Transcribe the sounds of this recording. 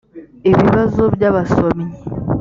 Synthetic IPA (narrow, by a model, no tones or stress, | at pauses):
eβiβazobjaːβasomi